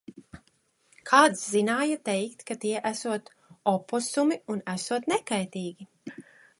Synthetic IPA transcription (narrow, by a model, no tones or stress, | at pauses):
kʰaːt̪szinaːjat̪ɛjkt̪kat̪iɛʔæsuɔt̪ | ɔpɔsumiunæsuɔt̪nɛkajt̪iːɡʲi